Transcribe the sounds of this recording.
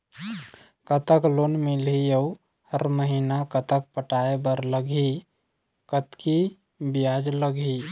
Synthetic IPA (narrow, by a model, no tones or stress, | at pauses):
kət̪əklonmilijəu | həɾməɦinakət̪ək̚pəʈaebəɾləɡi | kət̪ki | bijad͡ʒləɡi